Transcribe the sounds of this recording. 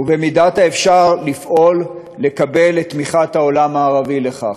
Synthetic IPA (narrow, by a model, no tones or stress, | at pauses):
uvemidataefʃaʁlifʔo̞lː | e̞kabe̞let̪ːmiχat̪hao̞lamaːʁavile̞χa̰χ